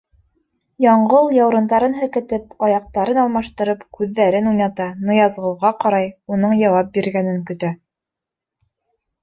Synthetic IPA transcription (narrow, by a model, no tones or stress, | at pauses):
jɑɴɢɤlˠjɑwɾɤ̆nd̪ɑɾɤnɦɘ̆ɾkɘ̆t̪ɘpɑjɑq̚t̪ɑɾɤnɑlˠmɑʃt̪ɤ̆ɾɤpkʉðːæɾɘnujnɑt̪ɑnɤ̆jɑzʁɤ̆lˠʁɑqɑɾɑjunɤɴjɑwɑp̚biɾɡænɘŋkɵ̆t̪æ